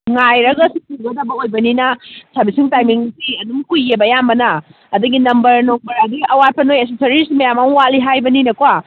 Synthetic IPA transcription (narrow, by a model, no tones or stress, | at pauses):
ŋajɾɐɡasituɡɐdɐbɐojbɐninɐsabisiŋtajmiŋsiɐdumkujebɐjambɐnɐː | duɡinɐmbɐɾnoŋbɐɾadiɐwat̚pʰɐnojes̬esɐɾisimɐjamamwaliɦajbɐninɐkwa